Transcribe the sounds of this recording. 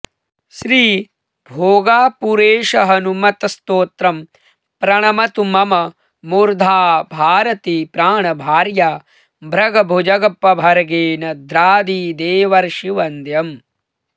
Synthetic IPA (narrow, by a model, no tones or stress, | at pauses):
ʃɾiː | bʱoːɡaːpuɾeːʃɐɦɐnumɐt̪ɐst̪oːt̪ɾɐm | pɾɐɳɐmɐt̪umɐmɐ | muɾd̪ʱaːbʱaːɾɐt̪iːpɾaːɳɐbʱaːɾjaː | bɾɐɡɐbʱud͡ʒɐɡɐpːɐbʱɐɾɐɡeːnɐd̪ɾaːd̪iːd̪eːʋɐɾʃiʋɐnd̪jɐm